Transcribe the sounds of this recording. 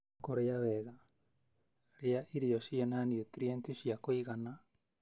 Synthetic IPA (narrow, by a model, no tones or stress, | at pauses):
koɾeaβɛɣa | ɾeaʔiɾiɔʃienaniotɾientiʃjakoiɣana